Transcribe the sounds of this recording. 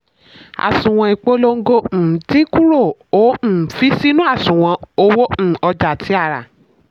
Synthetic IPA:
a̰˨sũ˨w̃ɔ̃˧i˨k͡po˦lo˧ŋ̩˦ɡõ˧˨ti˦ku˦ɾo˦˨õ˨˦˨fi˦si˦nũ˦a˦˨sũ˨w̃ã˧o˧˦wo˦˨ɔ˧d͡ʒa˨tʰi˨˦a˦˨ɾa̰˨

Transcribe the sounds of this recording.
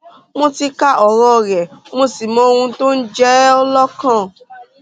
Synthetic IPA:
mõ˧ti˧ka˦ʔɔ˨ɾɔ˧ɾɛ˨mõ˧si˨mɔ̃˧o˧hũ˧to˦n̩˦d͡ʒɛ˦ɔ˧lɔ˦kã˦˨

